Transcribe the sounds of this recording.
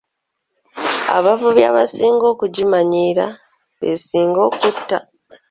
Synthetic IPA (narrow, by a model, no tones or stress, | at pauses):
a̰βavuβjaβasiːŋɡo̞ːkuɟimaɲiːɾa | βe̞̰siːŋɡo̞ːkutːa